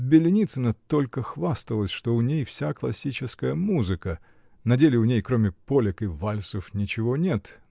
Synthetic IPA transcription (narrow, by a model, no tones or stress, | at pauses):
bʲɪlʲɪnʲit̪sɨnət̪olʲkəxvast̪əlˠəsʲʂt̪o̞ʊnʲejfsʲaklˠɐsʲit͡ɕɪskəjəmuzɨkə | nɐdʲelʲɪʊnʲejkɾomʲɪpolʲɪkɨvalʲsəfnʲɪt͡ɕɪvo̞nʲe̞t̪